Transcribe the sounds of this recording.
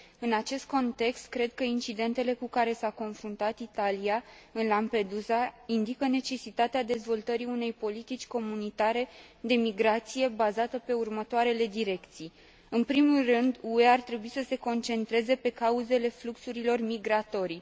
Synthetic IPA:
ɨnat͡ʃe̞st̪̚ko̞nt̪e̞kst̪̚kɾe̞d̪̚kəint͡ʃid̪e̞nt̪e̞le̞kukaɾe̞sako̞nfɾunt̪at̪it̪alijaɨnlampe̞d̪uzaind̪ikəne̞t͡ʃe̞sit̪at̪ead̪e̞zvo̞lt̪əɾiune̞jpo̞lit̪it͡ʃʲko̞munit̪aɾe̞d̪e̞miɡɾat̪sije̞bazat̪əpe̞urmət̪oaɾe̞le̞d̪iɾe̞kt̪sij | ɨnpɾimulrɨnd̪ue̞art̪ɾe̞buisəse̞ko̞nt͡ʃe̞nt̪ɾe̞ze̞pe̞kauze̞le̞fluksuɾilo̞rmiɡɾat̪o̞ɾi

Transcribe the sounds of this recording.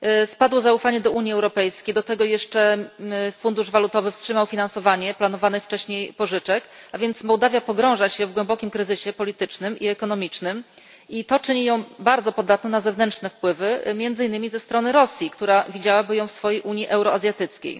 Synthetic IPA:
spad̪wɔzaufaɲɛd̪ɔuɲjiɛwɾɔpɛjskʲejd̪ɔt̪ɛɡɔjɛʂt͡ʂɛ | fund̪uʐvalut̪ɔvɘfstʂɘmawfʲinansɔvaɲɛplanɔvanɘft͡ʂɛɕɲejpɔʐɘt͡ʂɛkavʲjɛnt̪smɔwd̪avʲjapɔɡɾɔ̃w̃ʐaɕɛvɡwɛmbɔkʲimkɾɘzɘɕɛpɔlʲit̪ɘt͡ʂnɘmiɛkɔn̪ɔmʲit͡ʂnɘm | it̪ɔt͡ʂɘɲijɔ̃w̃baɾd̪zɔpɔd̪at̪nɔnazɛvnɛntt͡ʂnɛfpwɘvɘmʲjɛnd̪zɘinːɘmʲizɛst̪ɾɔnɘɾɔsʲjikt̪uɾavʲid͡ʑawabɘjɔ̃w̃fsfɔjejʔuɲjiʔɛwɾɔazʲjat̪ɘt̪skʲḛj

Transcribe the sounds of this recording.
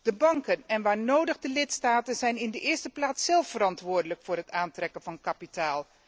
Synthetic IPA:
d̥əbɑŋkənɛnʋaːɹnowdəχdəlɪtstaːtənzɛjnɪndəʔɪːɹstəplaːtsɛlˠfəɾɑntʋʊːɹdələkfʊːɹrɦətaːntrɛkənvɑnkapitaːlˠ

